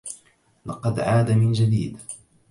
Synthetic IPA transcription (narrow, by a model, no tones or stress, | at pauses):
lɑqɑd̪ʕaːd̪amɪnd͡ʒad̪iːd̪